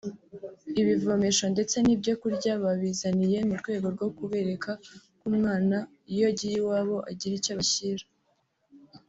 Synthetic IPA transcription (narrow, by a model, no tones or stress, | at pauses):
iβivo̞me̞ʃo̞nde̞t͡se̞nibɟo̞kuɾɟaβaβizanije̞muɾɡwe̞ːɡo̞ɾɡo̞kuβe̞ɾe̞kʰa | kuːmŋaːna | ijo̞ɟijiwaːβo̞ʔaɟiɾicaβaçiɾḁ